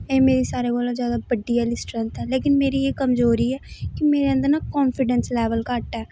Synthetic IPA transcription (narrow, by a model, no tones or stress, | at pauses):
eːmeːɾiːsaːɾeːkoːlazjaːd̪aːbəɖːijaːlɪsʈɾənt̪ɛːleːkɪnmeːɾiːeːkəmzoːɾiːɛːkɪmeːɾeːə̃nd̪əɾnaːkɔːnfʰɪɖənslɛːʋəlkaʈɛː